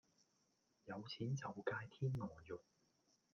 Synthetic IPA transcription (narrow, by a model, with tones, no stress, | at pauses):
jɐ˨˧wt͡sʰiː˨˥nt͡sɐ˨wkaː˧jt̪ʰiː˥nːɔː˨˩jʊ˨k̚